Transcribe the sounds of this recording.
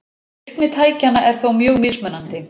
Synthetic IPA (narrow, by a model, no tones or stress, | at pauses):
knɪt̪ʰaːjcanːaʔɛɾ̥θowmjœːɣmɪsmœnant̪ɪ